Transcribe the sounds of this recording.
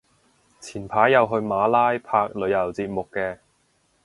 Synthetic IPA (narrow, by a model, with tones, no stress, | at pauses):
t͡sʰiː˨˩npʰaː˨˥jːɐ˨˧wɦɵ˧ɥmaː˨˥laː˥jpʰaː˧k̚lɵ˨˧ɥjɐ˨˩wt͡siː˧t̚mʊ˨kːɛː˧